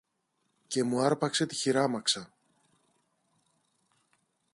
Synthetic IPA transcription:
ce̞muɐɾpɐkse̞t̪i̥çiɾɐmɐksɐ

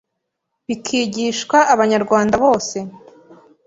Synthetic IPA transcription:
βikʰiːɟiːʃkwaʔːβaɲaɾɡwaːndaβo̞ːse̞

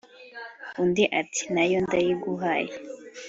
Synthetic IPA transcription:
undiʔati̥najondajiɡuɦaje

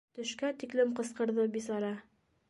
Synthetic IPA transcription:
t̪ɵ̆ʃkæt̪iklɘmqɤ̆sqɤ̆ɾðɤbisɑɾɑ

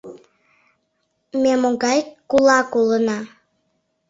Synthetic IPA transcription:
memoɣɑjkulɑkulənɑ

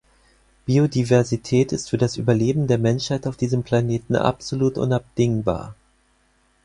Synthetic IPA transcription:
b̥iːodivɛɐzitʰɛːtɪstfyːɐdasʔy̰ːbɐleːbm̩deːɐmɛnʃhaɪtaʊfd̥iːzəmpʰl̥aneːtn̩ʔa̰pz̥oluːtʔʊ̰nap̚d̥ɪŋba̰ːɐ

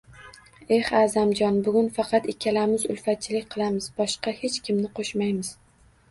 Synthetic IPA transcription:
e̞haːzamd͡ʒɒnbʊɡʲʊnfɑqʰɑt̪ɪkʲʰːalamɪzʊ̰lˠfat̪̚t͡ʃʰɪlɪkʲqʰɨlˠamɪz̥bɒʃqɑhe̞t͡ʃkʲɪmnɪqʰoʃmajmɪz̥

